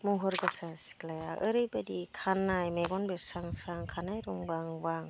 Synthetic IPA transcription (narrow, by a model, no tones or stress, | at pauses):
muɦɔɾɡasasi̥klajaʔɯɾɯjbadikʰanːajmeɡɔnbesaŋsaŋkʰanajɾuŋbaŋbaŋ